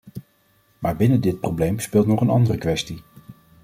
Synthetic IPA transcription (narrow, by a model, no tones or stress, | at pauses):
maːɹbɪnədɪt̚prowblejmspɪːlˠtnɔχənɑ̰ndərəkʋɛsti